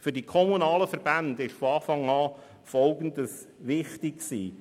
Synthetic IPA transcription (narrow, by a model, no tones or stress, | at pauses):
fyɾdikʰɔmunɑːləfəɾb̥ændɪʃfoɑːfɑŋɑː | fɔlɡəndəs | ʋɪχtɪksḭː